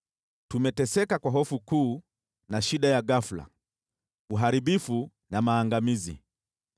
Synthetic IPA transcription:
tumɛtɛsɛkakwaɦɔfukuː | naʃiɗajaɡafula̰ | uɦaɾiɓifu | namaːŋɡamizḭ

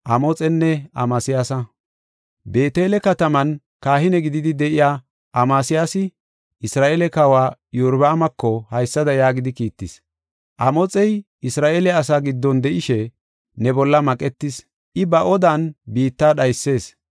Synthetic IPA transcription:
ʔɐmɔt͡sʼɛnːɛɐ̰maːsɪjaːsɐ | be̞ːt̪e̞ːlɛkɐt̪ɐmɐn | kaːɦɪnɛɡɪd̪ɪd̪ɪd̪ɛʔɪjaː | ʔɐmaːsɪjaːsɪ | ʔɪsɾaːʔelɛkɐwaːjuɾbɐːmɐkːɔhɐjsːɐd̪ɐjaːɡɪd̪ɪkiːt̪ːɪs | ʔɐmɔt͡sʼɛj | ɪsɾaːʔelɛɐs̬aːɡɪd̪ːɔnd̪ɛʔɪʃɛ | nɛbɔlːɐmɐkʼɛt̪ːɪs | ʔɪbɐʔɔd̪ɐnbiːt̪ːaːɗɐjsːe̞ːs

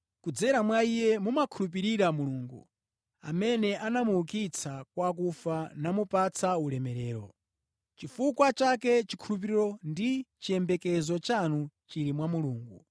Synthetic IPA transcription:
kud͡zɛɾamwaijɛmumakʰulup̬iɾiɾamuluːŋɡṵ | a̰mɛnɛʔanamuukit͡sʰakwak̬ufanamupat͡sʰaulɛmɛɾɛːɾɔ | t͡ʃifukwat͡ʃakɛt͡ʃikʰulup̬iɾiɾɔndit͡ʃiɛmbɛkɛzɔt͡ʃanut͡ʃiɾimwamuluːŋɡu

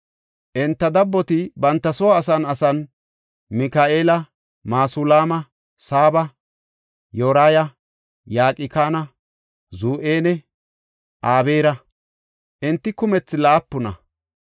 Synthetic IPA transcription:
ʔɪnt̪ːɐd̪ɐbːɔt̪ɪbɐnt̪ːɐsɔwːsɐnɐsɐn | mɪkaːʔeːlɐ | maːsulaːmɐ | saːbɐ | joːɾaːjɐ | jaːkʼɪkaːnɐ | zuːʔeːnɛ | ʔaːbeːɾɐ | ʔɪnt̪ːɪkʊmɛt͡sːɪlaːpːʊnɐ̰

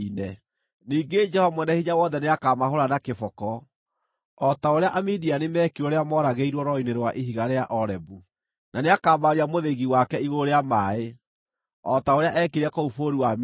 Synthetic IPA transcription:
inɛ | niːɡed͡ʒɛhɔmwɛnɛhiɲawɔːnðɛneakaːmahoɾanakefɔkɔ | ɔtaoɾeaʔamidianemɛːkioɾeamɔɾaɣeiɾwɔɾɔineɾwaʔeɦiɣaɾeaʔɔɾɛbu | naneakaːmaɾiamoðeɣiwakɛiɣoɾeamae | ɔtaoɾeaʔɛkeɾakoufoɾiwam

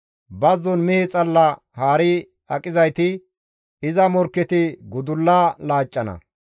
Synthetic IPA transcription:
bɐzɔnmɛhɛt͡sʼɐlːɐ | haːɾɪ | ɐkʼɪzɐjt̪ɪ | ɪzɐmɔɾkːɛt̪ɪɡʊd̪ʊlːaːlaːt͡ʃʼːɐnɐ̰

